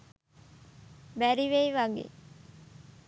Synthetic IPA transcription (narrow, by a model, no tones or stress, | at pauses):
bæɾiʋeiʋaŋɡḛ